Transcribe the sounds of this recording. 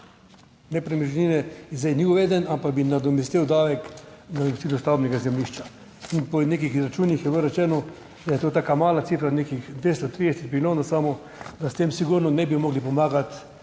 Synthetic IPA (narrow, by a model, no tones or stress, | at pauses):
nɛpɾɛmiʒniːnɛzejniuʋeːd̪ɛnampaɡbinad̪ɔmist̪iwd̪aːʋɛknad̪ɔmist̪ilɔst̪awbnɛɡazɛmliʃt͡ʃa | inpɔneːkixizɾat͡ʃuːnjixjɛʋəɾɛt͡ʃɛːnɔ | d̪ajɛt̪oːt̪aːkamaːlasifɾaneːkixd̪ʋest̪ot̪ɾiːd̪ɛsɛt̪̚pilʲoːnasaːmɔ | d̪ast̪emsiɡuɾnɔnɛbimɔɡlipɔmaːɡat̪